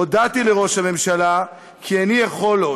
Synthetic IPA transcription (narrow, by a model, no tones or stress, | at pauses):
od̪at̪ile̞ʁo̞ʃhame̞mʃala | kʰianijaχo̞lo